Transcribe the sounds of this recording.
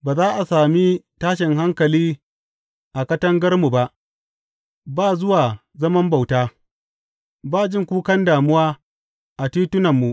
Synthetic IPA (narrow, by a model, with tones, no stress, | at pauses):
baː˨zaː˦ʔa˨saː˨mi˦taː˦ʃɪ˨ŋɦa˦ŋkɐ˨liː˦ | ʔa˨kɐ˦tɐ˦ŋɡɐ˦rmu˨ba˦ʔ | baː˦˨zʊ˦waː˨ | zɐ˦mɐ˦mba˨wtaː˦ | baː˦˨d͡ʒɪ˦˨ŋkʷuː˦kɐ˦ndaː˨mʊ˦waː˦ | ʔa˨tiː˦tʊ˦nɐ˨mːu˨ʔ